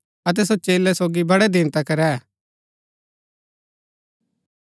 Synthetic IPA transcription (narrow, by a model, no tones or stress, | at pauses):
ɐt̪̬ɛs̬ot͡ʃeːlɛsoːɡibɐɽɛd̪ɪnt̪akɐɾɛ